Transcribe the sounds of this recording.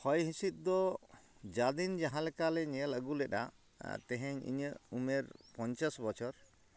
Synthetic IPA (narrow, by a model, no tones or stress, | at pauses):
hʰɔjɦĩsit̪̚ˀd̪ɔ | d͡ʒad̪ind͡ʒaɦãlɛkalɛɲɛɛləɡulɛɗa̰ | t̪ɛɦɛɲḭɲəumɛɾpɔɲt͡ʃasbɔt͡ʃʰɔɾ